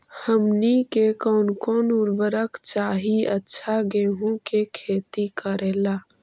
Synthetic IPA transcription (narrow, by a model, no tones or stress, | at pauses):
həmnikekɔːnkɔːnuɾbəɾəkt͡ʃaːɦiətːʃʰaɡeɦũkekʰeːt̪ikəɾela